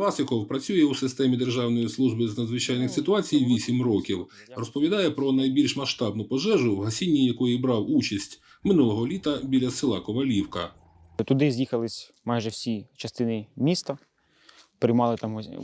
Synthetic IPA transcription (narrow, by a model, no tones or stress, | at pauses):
lˠɑsɪkɔwpɾɐt͡sʲujɛwsɪst̪ɛmʲid̪erʒɑwnɔjislˠuʒbɪznɐd̪zʋɪt͡ʃɑjnɪxsɪt̪ʊɑt͡sʲijʋʲisʲimrɔkʲiw | rɔspɔʋʲid̪ɑjɛpɾɔnɐjbʲilʲʃmɐʃt̪ɑb̚nʊpɔʒɛʒʊwɦɐsʲinʲːijɐkɔjibɾɑwut͡ʃɐsʲtʲ | mɪnulˠɔɦɔlʲit̪ɐbʲilʲɐsɪlˠɑkɔʋɐlʲiwkɐ̰ | t̪ʊd̪ɪzʲjixɐlˠɪsʲ | mɑjʒɛwsʲit͡ʃɐst̪ɪnɪmʲist̪ɐ | pɾɪjmɑlˠɪt̪ɑmɦ